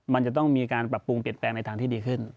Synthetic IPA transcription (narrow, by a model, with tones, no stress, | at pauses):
ma˧nt͡ɕa˨˩t̪ɔ˥˩ŋmiː˧kaː˧npɾa˨˩pːu˧ŋpi˨˩ənplɛː˧ŋna˧jt̪ʰaː˧t̪ʰiː˥˩diː˧kʰɯ˥˩n